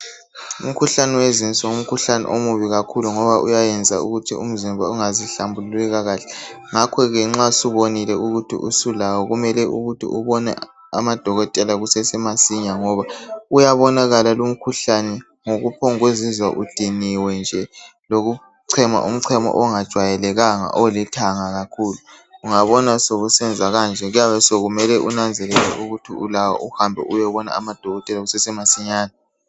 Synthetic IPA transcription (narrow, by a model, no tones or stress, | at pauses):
ṵm̩kʰuɬanɛwezint͡sʼɔum̩kʰuɬanɛ̰ʔomuβiɣakʰuluŋɔβaʔṵjajɛnd͡zʱa̰ṵɣutʰium̩zimbʱauŋaziɬambʱullɛɣaɣaːɬɛ | ŋakʰɔɣɛŋ͡ǁasuβonilɛuɣutʰḭʔṵsulawɔɣumɛlɛʔṵɣutʰḭʔuβɔnɛ̰ | a̰mad̥ʱɔɣɔtʼɛlaɣusɛsɛmasiɲaŋɔβaujaβɔnaɣalalum̩kʰuɬanɛ | ŋoɣupʰɔŋɣwezizwa̰ʔud̥ʱiniwɛnd͡ʒʱɛloɣu | ǀʰɛma̰ʔum̩ǀʰɛmɔ̰ʔɔŋad̥ʒ̥ʱwajɛlɛɣaŋa̰ʔolitʰaŋaɣakʰuːluː | ŋaβɔnasoɣusɛnd͡zʱaɣand͡ʒʱɛɣujaβɛsoɣumɛlɛʔunand͡zʱɛlɛlɛ̰ʔuɣutʰiulawa̰ʔuhambʱɛ̰ʔujɛβɔna̰a̰mad̥ʱɔɣɔtʼɛlaɣusɛsɛmasiɲaːna